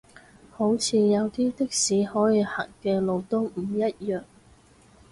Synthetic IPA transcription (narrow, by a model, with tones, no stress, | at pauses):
ho˨˥wt͡sʰiː˨˧jɐ˨˧wt̪iː˥t̪ɪ˥k̚siː˨˥hɔː˨˥jiː˧ha̰ː˨˩nkɛː˧lo˧wt̪o˥ŋm̩˨˩jɐ˥t̚jœː˨˩ŋ